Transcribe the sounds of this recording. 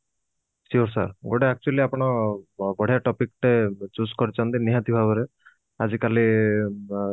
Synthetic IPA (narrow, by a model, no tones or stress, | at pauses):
sioɾsa̰ɾɡoʈeak̚t͡ʃualiapɔñɔbɔɽ̤ʱijaʈɔpikʈet͡ʃuskɔɾit͡ʃant̪iniɦat̪ibʱabɔɾe | azikali